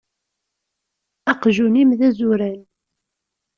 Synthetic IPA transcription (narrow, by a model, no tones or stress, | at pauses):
ɑqʒunimðæzuɾæn